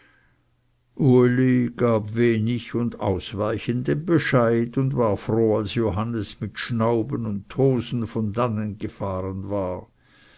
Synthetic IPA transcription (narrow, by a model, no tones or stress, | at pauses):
ʔuliɡ̥aːbveːnɪçʊnda̰ʊsvaɪçəndenbəʃaɪdʊndvaːʁfroːalsjoɦanəsmɪtʃnaʊbənʊntʰːoːzn̩fɔndanənɡ̥əfaːʁənvaːʁ